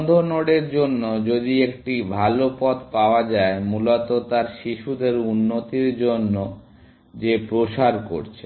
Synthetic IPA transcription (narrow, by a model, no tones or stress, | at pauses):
d̪ʱonoɽeɾd͡ʑonːod͡ʑod̪iekʈibʱalopɔt̪paoad͡ʑaemulot̪ot̪aɾʃiʃud̪eɾunːot̪iɾd͡ʑonːo | d͡ʑepɾoʃaɾko̰ɾt͡ɕʰe